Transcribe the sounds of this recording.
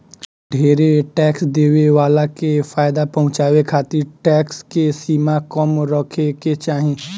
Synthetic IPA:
ɖʱeːɾeʈɛːksd̪eːʋeʋaːlakefaːɪd̪apɐɦʊ̃t͡ʃaːʋekʰaːt̪iɾʈɛːkskesiːmakəmɾəkʰeket͡ʃaːɦẽː

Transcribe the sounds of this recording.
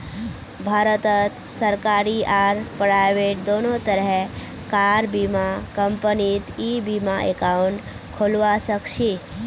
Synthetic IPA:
bʱaɾət̪ət̪ | səɾkaɾiʔaɾpɾajʋeʈ̚d̪onot̪əɾɛ | kaɾbimakəmpənit̪ibimaʔḛkauɳʈ | kʰolʋasəkʂi

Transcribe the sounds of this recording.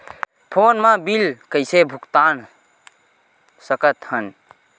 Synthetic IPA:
pʰonmabilkəɪsebʱukt̪an | səkət̪hən

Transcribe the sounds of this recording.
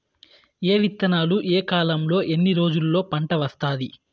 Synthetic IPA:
eːʋit̪ːɐnaːluʔeːkaːlɐmlo̞ːʔe̞nːiɾo̞ːd͡ʒulːo̞ːpɐɳʈɐʋɐst̪aːd̪i

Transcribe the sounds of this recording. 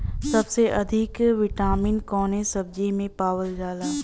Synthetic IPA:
sɐbseʔɐd̪ʱɪkʋɪʈaːmiːnkɔːnesɐb̚d͡ʒimẽpaːwəld͡ʒaːlaː

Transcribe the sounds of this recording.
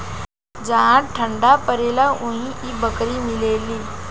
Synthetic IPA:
d͡zaɦãʈʰəɳɖapəɾelaũɦĩiːbəkɾiːmileliː

